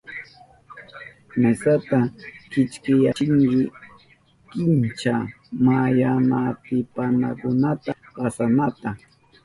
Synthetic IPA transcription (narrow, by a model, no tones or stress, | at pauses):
mesat̪akɪt͡ʃkɪjat͡ʃɪŋkɪ | kɪnt͡ʃa | majanat̪ɪpanakʊnat̪a | pasanat̪a